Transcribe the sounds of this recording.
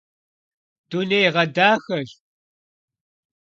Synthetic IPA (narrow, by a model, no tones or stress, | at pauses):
d̥unejʁɐdaːxɐɮ